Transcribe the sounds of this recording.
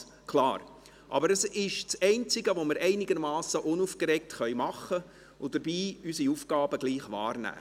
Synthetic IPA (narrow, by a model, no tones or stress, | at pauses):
kʰlɑːɾ | ʔɑ̰bəɾəsɪʃt͡sɛɪnt͡sɪɡəʋomɪɾʔɛɪnɪɡ̥əɾmɑːsəʔʊnuːfkɾɛk̚tχœʏmɑχə | ʊd̥əɾbiːysiuːfɡ̥ɑːbəɡ̥liːχʋɑ̰ːrnæ̰ː